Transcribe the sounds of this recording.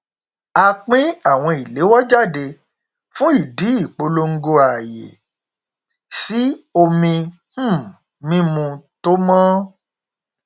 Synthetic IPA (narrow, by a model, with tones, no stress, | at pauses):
a˧k͡pĩ˦a˦˨w̃ɔ̃˧i˨le˨˦wɔ˦d͡ʒa˦˨de˧ | fũ˦i˦˨di˨˦i˦˨k͡po˧lo˦˧ŋ̩˦ɡo˧a˨jḛ˨ | si˨˦o˧mĩ˧˦˨ | mĩ˦mũ˧to˦mãː˦